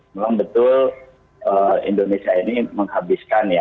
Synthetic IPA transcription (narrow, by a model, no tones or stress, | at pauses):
memaŋbət̪ʊl | ʔəḭndonesiainiməŋhabiskanja